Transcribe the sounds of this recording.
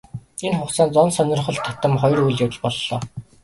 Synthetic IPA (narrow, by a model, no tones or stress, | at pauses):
enχʊχt͡saːnt͡sɔnsœnʲɞ̆rχɞ̆ɮt̪ʰːat̪ə̆mχɔjrujɮjʊw̆ɮpɔɮːɔː